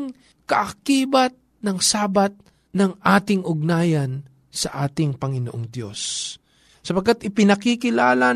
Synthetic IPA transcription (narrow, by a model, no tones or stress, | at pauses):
ŋ | kɐʔɐkiːbɐt̪̚ | nɐŋsaːbɐt̪̚ | nɐŋʔaːt̪ɪŋʔʊɡ̚naːjɐn | sɐʔaːt̪ɪŋpɐŋɪnoʔoŋd̪jo̞̰sː | ɐpɐɡkat̪ʔɪpɪnɐkɪkɪlaːla